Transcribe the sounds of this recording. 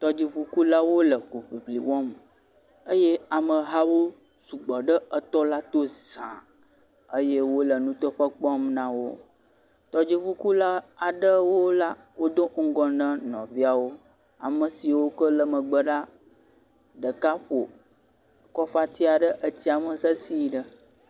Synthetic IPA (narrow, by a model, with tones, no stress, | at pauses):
t̪ɔ˦d͡ʑi˨ɸu˦ku˦la˦wo˦lə˨ko˨ɸi˨blḭ˨wɔ̃˦m | ə˦je˦a˨mə̃˨ɦa˦wo˦ | su˨ɡ͡bɔ˨ɖə˦ə˨t̪ɔ˦la˦t̪o˦zã̰˨ | ə˦je˦wo˦lə˨nũ˦t̪ɔ˦ɸə˦k͡pɔ˦mnã˦wo˦ | t̪ɔ˦d͡ʑi˦ɸu˦ku˦la˦a˨ɖə˦wo˦la˦ | wo˦d̪o˦ŋ̩˦ɡɔ˨nə̃˦nɔ̰̃˨vi˦a˨wo˦ | a̰˨mə̃˨si˨wo˦kə˦lə˨mə̃˨ɡ͡bə˦ɖa˦ | ɖə˨ka˦ɸo˨ | kɔ˦fa˦t̪i˦a˨ɖə˦ʔə˦t̪i˦a˨mə˨sə˦si˦ɖə˦